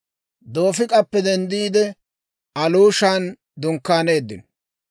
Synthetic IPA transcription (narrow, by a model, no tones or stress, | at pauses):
d̪o̞ːfɪkʼɐpːɛd̪ɛnd̪iːd̪ɛ | ɐluːʃaːn | d̪ʊŋkːaːne̞ːd̪ːɪ̰n